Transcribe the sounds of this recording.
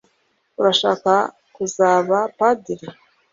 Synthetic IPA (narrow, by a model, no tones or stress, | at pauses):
uɾaʃaːka | kuzaːβapadiɾi